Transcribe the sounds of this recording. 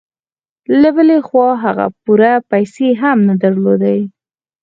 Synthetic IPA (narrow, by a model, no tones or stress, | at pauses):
labəlexwɑɦaɣa̰puɾapajseɦamnad̪aɾlod̪a